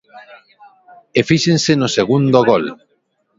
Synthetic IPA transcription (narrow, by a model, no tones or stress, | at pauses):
efiʃensenoseɣund̪oɣol